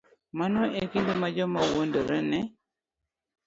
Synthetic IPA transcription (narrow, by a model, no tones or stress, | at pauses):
manɔʔekindimad͡ʒɔmawondoɾɛnɛ